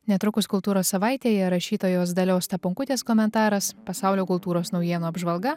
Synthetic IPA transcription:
nʲɛt̪ɾʊkʊskʊlˠt̪uːɾoːssɐʋɑɪt̪ʲeːjɛɾɐʃʲiːt̪oːjoːsd̪ɐlʲoːst̪ɐpʊŋkʊt̪ʲeːskɔːmʲɛnt̪ɑːɾɐspɐsɑˑʊlʲoːkʊlˠt̪uːɾoːsnɒʊjiɛnoːɐbʒʋɐlˠɡɐ

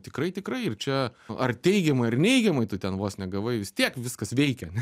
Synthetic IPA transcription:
t̪ʲɪkɾɐɪt̪ʲɪkɾɐɪɪrt͡ʃʲɛɐrt̪ʲɛɪɡʲɛmɐɪɐrnʲɛɪɡʲɛmɐɪt̪ʊt̪ʲɛnʋoːsnʲɛɡɐʋɐɪʋʲɪst̪ʲiɛkʋʲɪskɐsʋʲɛɪkʲɛɐnʲɛ

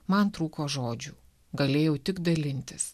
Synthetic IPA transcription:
mɐnt̪ɾuːkoːʒoːd͡ʒʲuː | ɡɐlʲeːjɛʊt̪ʲɪɡd̪ɐlʲɪnʲt̪ʲɪs

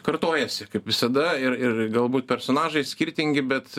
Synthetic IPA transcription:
kɐɾt̪oːjɛsʲɪkɐɪpʋʲɪsɐd̪ɐɪɾɪrɡɐlˠbuːt̪̚pʲɛɾsoːnɑːʒɐɪsʲkʲɪɾʲt̪ʲɪŋʲɡʲɪbʲɛt̪

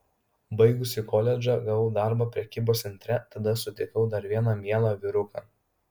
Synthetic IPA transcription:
bɐɪɡʊsʲɪkɔlʲɛd͡ʒʲɐɡɐʋɐʊd̪ɑˑɾbɑpʲɾʲɛkʲiːboːsʲɛnʲt̪ʲɾʲɛt̪ɐd̪ɐsʊt̪ʲɛɪkɐʊd̪ɐɾʋʲiɛnɑːmʲiɛlˠɑʋʲɪɾʊkɑːˑ

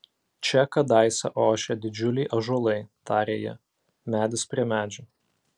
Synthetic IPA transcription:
t͡ʃʲɛkɐd̪ɑɪsɐ̰ʔoːʃʲɛd̪ʲɪd͡ʒʲʊlʲɛɪʔɐʒolˠɐɪt̪ɑːɾʲeːjɛ̰ | mʲæːd̪ʲɪspʲɾʲiɛmʲæːd͡ʒʲʊ

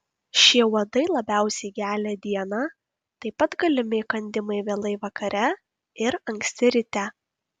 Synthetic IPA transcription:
ʃʲiɛuɔd̪ɐɪlˠɐbʲæˑʊsʲɛɪɡʲæːlʲɛːd̪ʲiɛnɑː | t̪ɐɪpɐt̪ɡɐlʲɪmʲɪkɐnʲd̪ʲɪmɐɪʋʲeːlˠɐɪʋɐkɐɾʲɛ | ɪɾɐŋʲksʲt̪ʲɪɾʲɪt̪ʲæ

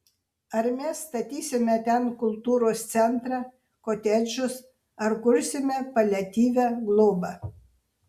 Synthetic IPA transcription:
ɐɾmʲɛsːt̪ɐt̪ʲiːsʲɪmʲɛt̪ʲɛnkʊlˠt̪uːɾoːst̪sʲɛnt̪ɾɑː | koːt̪ʲɛd͡ʒʲʊs | ɐɾkʊɾʲsʲɪmʲɛpɐlʲɛt̪ʲiːʋʲæːɡlˠoːbɐ

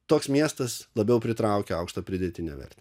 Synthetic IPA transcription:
t̪oːksmʲiɛst̪ɐslˠɐbʲɛʊpʲɾʲɪt̪ɾɐˑʊkʲɛɐʊkʃt̪ɐpʲɾʲɪd̪ʲet̪ʲɪnʲɛ̰ːʋʲɛ̰ɾʲt̪ʲe

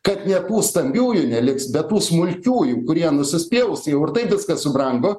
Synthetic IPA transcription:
kɐt̪nʲɛt̪uːst̪ɐmʲbʲuːjʊnʲɛlʲɪksbʲɛt̪tuːsmʊlʲkʲuːjukʊɾʲiɛnʊsʲɪsʲpʲeːʊʊsjɛʊɪɾt̪ɐɪpʋʲɪskɐssʊbɾɐŋɡoː

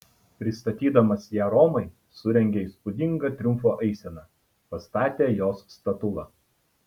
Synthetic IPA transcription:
pʲɾʲɪst̪ɐt̪ʲiːd̪ɐmɐsjæːɾɔːmɐɪ | sʊɾʲɛŋʲɡʲeiːˑspʊd̪ʲɪŋɡɐt̪ʲɾʲʊmfoːʔɐɪsʲɛnɑː | pɐst̪ɑːt̪ʲeːjoːsːt̪ɐt̪ʊlˠɑ

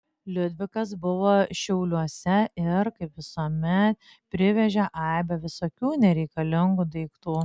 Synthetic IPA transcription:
lʲʊd̪ʲʋʲɪkɐs̬bʊʋoːʃʲɛʊlʲuɔsʲɛɪɾkɐɪpʋʲɪsuːmʲɛt̪̚ | pʲɾʲɪʋʲɛʒʲɛʔɐɪbʲɛʋʲɪsoːkʲuːnʲɛɾʲɛɪkɐlʲɪŋɡud̪ɐɪkt̪uː

